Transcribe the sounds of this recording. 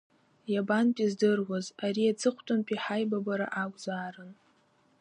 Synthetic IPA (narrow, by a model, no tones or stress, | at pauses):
jabanpʼizdɨrwazaɾiad͡zɨχʷʰtʼʊmpʼiħajbabaɾa̰ʔakʷʼzaːɾɨn